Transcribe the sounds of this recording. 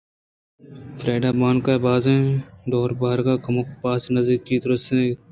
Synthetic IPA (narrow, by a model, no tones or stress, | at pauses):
fɾeːɖaːbaːnkabaːzẽɖ̪oːɾbaɦɾɡaːkɐmoːkpaːsnɐzd̪ikːiːd̪ɾəse